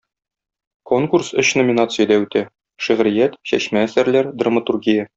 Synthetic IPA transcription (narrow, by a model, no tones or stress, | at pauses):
koŋkursɵɕnomʲinat̪sɨjəd̪æʉt̪æ | ʃæʁɾijæt̪ɕæ̰ɕmæːsæɾlæɾd̪rɐmət̪urɡʲijə